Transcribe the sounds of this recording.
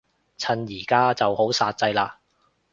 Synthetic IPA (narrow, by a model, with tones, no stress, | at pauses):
t͡sʰɐ˨˧njiː˨˩kaː˥t͡sɐ˨who˨˥wsaː˧t̚t͡sɐ˧jlaː˧